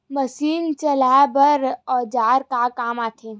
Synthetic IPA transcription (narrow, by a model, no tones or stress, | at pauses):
məsiːnt͡ʃəlabəɾɔːd͡ʒaːɾkakaːmaːʈʰeː